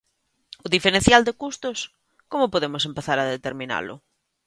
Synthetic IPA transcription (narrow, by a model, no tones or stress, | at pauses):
ʊðifeɾẽn̟θjald̪ɪkust̪ʊs | komʊpoðemʊsempeθaɾaðet̪eɾmĩna̰lʊ̰